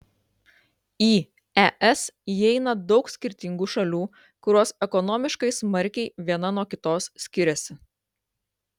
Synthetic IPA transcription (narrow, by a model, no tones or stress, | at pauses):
iː | ɛʔɛsjɛɪnɐd̪ɒʊksʲkʲɪɾʲt̪ʲɪŋɡuʃɐlʲuː | kʊɾoːsɛkɔnɔmʲɪʃkɐɪsmɐɾʲkʲɛɪʋʲiɛnɐnuɔkʲɪt̪oːssʲkʲɪɾʲɛsʲɪ